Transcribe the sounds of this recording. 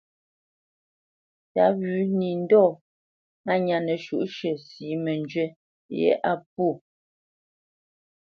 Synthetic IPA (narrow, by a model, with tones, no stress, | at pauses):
ta˨˦βʉː˨˦ni˨n˦dɔː˦˨ | a˦˨ɲa˨nə˨ʃu˨ʔʃɛ˨siː˨˦mɛ˨nd͡ʒɥɛ˦ | jɛ̰˦ʔa˦p̚u˦˨